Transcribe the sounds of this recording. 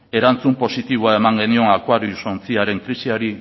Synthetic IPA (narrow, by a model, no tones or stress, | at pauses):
e̞ɾant͡sumpo̞sit̪iβoae̞maŋɡe̞nio̞ŋakwaɾiuso̞nt͡siaɾe̞ŋkɾisiaɾi